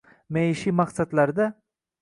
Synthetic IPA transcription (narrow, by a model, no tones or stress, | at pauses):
mejɪʃimaqsat̪laɾd̪a